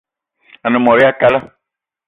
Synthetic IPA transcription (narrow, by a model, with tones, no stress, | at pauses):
a˨nə̃˨mɔ˨ɾɪ˦a˦ka˦la˦